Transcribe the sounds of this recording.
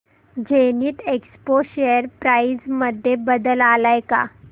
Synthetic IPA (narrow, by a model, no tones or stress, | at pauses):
d͡ʑeniːt̪ekspoɕejəɾpɾaid͡zməd̪ʱːjebəd̪əlalajka̰